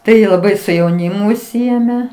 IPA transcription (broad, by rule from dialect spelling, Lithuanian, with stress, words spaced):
ˈtɐɪ lˠɐˈbɐɪ sʊ jɛʊˈnʲɪmʊ ʊʃʲˈsʲɪeːmʲɛ